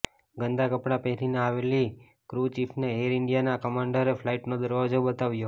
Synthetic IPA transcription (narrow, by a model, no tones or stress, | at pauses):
ɡənd̪akəpɽapeɦɾineaʋeli | kɾut͡ʃifʰneɦeɾɪɳɖijanakəmaɳɖəɾeflaiʈnod̪əɾʋad͡ʒobət̪aʋjo